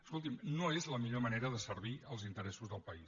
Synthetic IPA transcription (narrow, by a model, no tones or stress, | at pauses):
əskulˠt̪imnoezləmiʎoməneɾəðəsəɾβiəlˠzint̪əɾɛsuzðəlˠpəis